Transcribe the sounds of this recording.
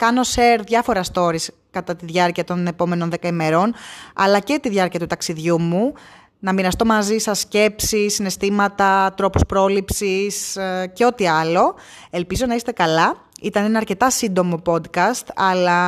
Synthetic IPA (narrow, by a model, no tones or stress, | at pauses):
kɐno̞seɾðʝɐfo̞ɾɐst̪o̞ɾis | kɐt̪ɐt̪iðʝɐɾciɐt̪o̞ne̞po̞me̞no̞nðe̞kɐime̞ɾo̞nɐ̰lɐcet̪iðʝɐɾciɐt̪ut̪ɐksiðʝumu | nɐminɐst̪o̞mɐzisɐsce̞psisːine̞st̪imɐt̪ɐt̪ɾo̞pu̥spɾo̞lipsisceo̞t̪iɐlo̞ | e̞lpizo̞nɐist̪e̞kɐlɐ | it̪ɐne̞nɐːɾce̞t̪ɐsind̪o̞mo̞po̞d̪kɐst̪ɐlɐ